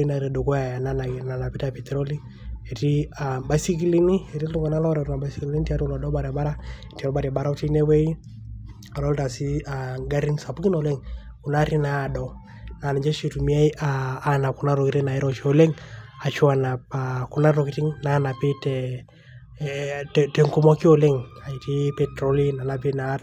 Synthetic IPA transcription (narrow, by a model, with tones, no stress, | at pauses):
i˦na˨ɾɛ˨dɔ˨kɔ˦ja˨ja˨nana˨na˨na˨pi˦ta˨pi˨tɛɾo˦li˦ | e˨ti˦aba˨jsi˦ki˦li˦ni˦e˨ɾi˦lu˦ŋɡa˨na˦lɔ˦ɾɛ˨u˦a˨ba˨si˦kili˦ta˦tu˦lɔ˨dɔ˦ba˨ɾa˨ba˦ɾa˦˨ti˨ɔ˦ba˨ɾa˨ba˦ɾa˦u˦ti˦nɛ˦wɛ˦i˦ | a˨lɔ˦lta˨si˦aŋɡa˦ɾi˦nsa˨pu˦ki˦nɔlɛ˦ŋ | ku˨na˦ɾi˦na˨dɔ˨ | na˨na˨d͡ʒɛ˦ʃi˨tu˨mi˦a˦iʔaː˦na˨ku˦na˦ɾɔ˨kiɾi˦na˨i˦ɾɔʃole˦ŋa˨ʃwa˨na˨paku˦na˦ɾɔ˨kiti˦ŋnana˨pi˦tɛ | tɛ˨ŋku˦mɔ˦ki˦o˨le˦ŋa˨iti˦pɛtɾo˦li˦na˨na˦pi˦na˦t